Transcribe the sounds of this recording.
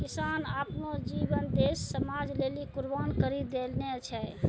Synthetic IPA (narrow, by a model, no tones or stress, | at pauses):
kisaːnapnod͡ʒibənd̪esːəmad͡ʒlelikuɾbaːnkəɾid̪ːelneət͡ʃʰɛj